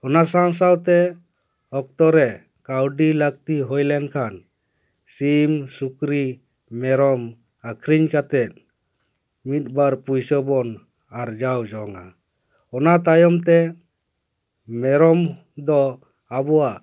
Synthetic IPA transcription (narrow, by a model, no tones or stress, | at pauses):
ɔnasawsawt̪ɛ | ɔk̚t̪ɔɾɛ | kawɖilək̚t̪iɦɔjlɛnkʰan | simsukɾi | mɛɾɔm | akʰɾiɲkat̪ɛt̪̚ | mit̪̚baɾpujsɔbɔn | aɾd͡ʒawd͡ʒɔŋa | ɔnat̪ajɔmt̪ɛ | mɛɾɔm | d̪ɔ | abɔwaʔ